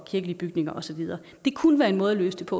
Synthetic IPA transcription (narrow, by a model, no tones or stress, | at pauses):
kʰiɐɡəliəb̥yɡ̥ne̝ŋɐʔɒ̽sɒ̽ʋið̞ˠɐː | d̥e̝kʰunəʋæːɐe̝nmɔ̽ːð̞ˠlø̰ːsd̥e̝pʰɒ̽